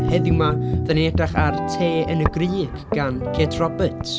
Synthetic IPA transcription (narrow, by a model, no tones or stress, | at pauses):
hɛðɪwmaðanɛdaχartʰeːənəɡriːɡ̥ɡ̥ankʰeːdʰrɔbətʰ